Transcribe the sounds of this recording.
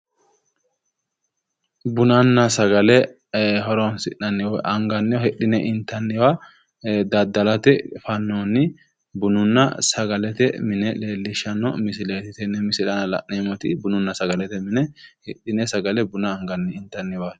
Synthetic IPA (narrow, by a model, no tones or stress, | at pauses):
bʊnɐnːɐsɐɡɐlɛ | ɦɔɾɔnsɪʔɐnːɪwɔʔɐŋɡɐnːɪwɔhɛɗɪnɛʔɪnt̪ːɐnːɪwɐ | d̪ɐd̪ːɐlɐt̪ɛfɐnːonːɪ | bʊnʊnːɐ̰sɐɡɐlɛt̪ɛmɪnɛleːlːɪʃːɐnɔmɪsɪleːt̪ɪt̪ɛnɛmɪsɪlɐnɐlɐ̰ʔneːmɔt̪ɪbʊnʊnːɐsɐɡɐlɛt̪ɛmɪnɛhɛɗɪnɛsɐɡɐlɛbʊnɐːŋɡɐnːɛɪnt̪ːɐnːɪwɐ